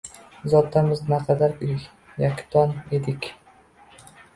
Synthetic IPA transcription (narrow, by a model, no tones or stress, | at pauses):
zɒt̪ʰːamɪznaqʰɑd̪aɾɪ | jakʲt̪ʰɒned̪ɪkʲ